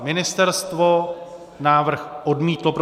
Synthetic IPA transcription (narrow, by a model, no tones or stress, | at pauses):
mɪnɪst̪ɛɾst̪vo | naːvr̩xʔodmiːt̪lopɾ